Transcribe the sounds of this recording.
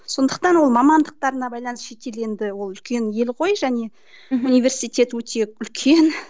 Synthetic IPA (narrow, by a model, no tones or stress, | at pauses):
so̞nd̪əqt̪ɑnwo̞lˠmɑmɑnd̪əq̚t̪ɑɾənɑbɑjlˠɑnəsʃe̞t̪e̞le̞nd̪ɪwo̞lˠʏlkʲe̞nje̞lʁo̞jʒæne̞ | unijvʲe̞rsijt̪e̞t̪wɵt̪ʰe̞ʏlkʲʰe̞n